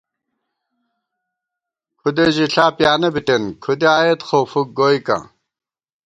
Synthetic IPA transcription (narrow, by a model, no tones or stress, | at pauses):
kʰud̪eʑiɬaːpjaːnebiʈenkʰud̪eaːjet̪χoːfuk̚ɡoːjka̰